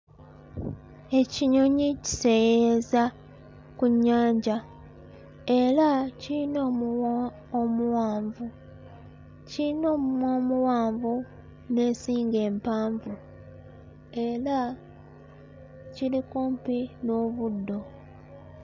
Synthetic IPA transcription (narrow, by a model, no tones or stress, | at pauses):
e̞ciɲo̞ɲici̥se̞jeza | kuɲːaːɲɟa | e̞ɾaciino | omuwaːɱvu | ciino̞ːmumwomuwaːɱvu | ne̞ːnsiːŋɡe̞ːmpaːɱvu | e̞ɾa | cilikuːmpinoβudːo̞